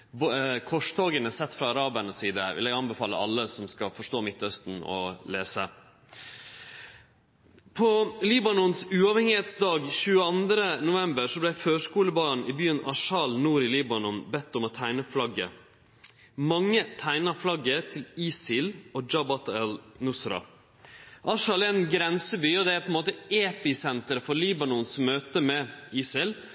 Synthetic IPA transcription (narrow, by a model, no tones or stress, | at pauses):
bkʰɔʂt̪ʰoːɡənəsɛt̪ːfɾɑːɾɑːbəɳəsiːd̪əʋɪ̰lɛɡɑnbəfɑːlə̰ʔɑ̰lːəsɔmskɑfɔʂʈoːmɪt̪ːœst̪n̩ɔ̰leːsə | pʰɔliːbɑnɔnsʉːɑːʋhɛŋɪheːt̪sd̪ɑːɡçʉːəɑnd̪ɾənʊʋɛmbəɾʂɔblæɪføːʂkuːləbɑːɳɪbyːənɑʂɑlnuːɾɪliːbɑnɔnbɛt̪ːɔmɔt̪ʰæɪnəflɑɡə̰ | mɑŋːət̪ʰæɪnɑflɑɡːəɾt̪ʰɪliːsɪloːd͡ʒɑbɑt̪ɛlnʊsɾɑ̰ | ʔɑʂɑlɛnɡɾɛnsəbyːɔd̪ɛæɾpʰɔɛnmoːt̪əʔeːpɪsɛnt̪əɾəfɔɾliːbɑnɔnsmøːt̪əmɛiːsɪl